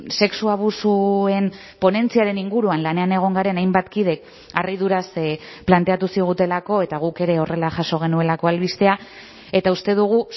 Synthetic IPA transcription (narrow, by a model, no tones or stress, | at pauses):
se̞ksuaβ̞usue̞m | po̞ne̞nt͡siaɾe̞niŋɡuɾuanlane̞ane̞ɣ̞o̞ŋɡaɾe̞najmbat̪kið̞e̞k | arið̞uɾasplant̪e̞at̪usiɣ̞ut̪e̞lako̞e̞t̪aɣ̞uke̞ɾe̞o̞re̞laʝaso̞ɣ̞e̞nue̞lako̞alβist̪e̞a | e̞t̪aust̪e̞ðuɣ̞u